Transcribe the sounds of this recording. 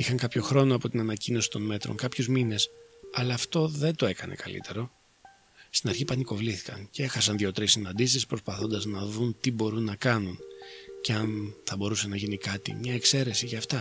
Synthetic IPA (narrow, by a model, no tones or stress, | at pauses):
ixɐŋkɐpço̞xɾo̞no̞ɐpo̞t̪inɐnɐcino̞si̥t̪o̞nme̞t̪ɾoŋkɐpçozmine̞sɐlɐːft̪o̞ðe̞nt̪o̞e̞kɐnʔe̞̰kɐlḭt̪e̞ɾo̞ | st̪inɐɾçipɐniko̞vliθi̥kɐncee̞xɐsɐnðʝo̞t̪ɾisːinɐnd̪isispɾospɐθo̞nd̪ɐznɐðunt̪ibo̞ɾunːɐkɐnunceɐnθɐbo̞ɾuse̞nɐʝinikɐt̪ḭmɲɐe̞kse̞ɾe̞siʝɐːft̪ɐ